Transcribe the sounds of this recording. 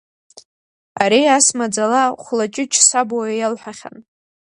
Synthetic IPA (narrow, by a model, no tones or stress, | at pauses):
aɾiasmad͡zalaχʷlat͡ʃʼɪt͡ʃʰʼsabajalħʷᶣaχʲa̰n